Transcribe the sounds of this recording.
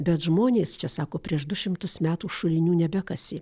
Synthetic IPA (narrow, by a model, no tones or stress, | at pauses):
bʲɛt̪ʒmoːnʲeːst͡ʃʲɛsɑːkoːpʲɾʲiɛʃd̪ʊʃʲɪmt̪ʊsmʲæːt̪uːʃʊlʲɪnʲuːnʲɛbʲɛkɐsʲɪ